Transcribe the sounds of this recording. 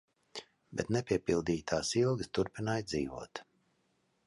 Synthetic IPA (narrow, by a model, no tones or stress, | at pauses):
bɛt̪nɛpʲiɛpilˠd̪iːt̪ʰaːsilˠɡɨst̪uɾpinaːjd̪ziːvṵɔt̪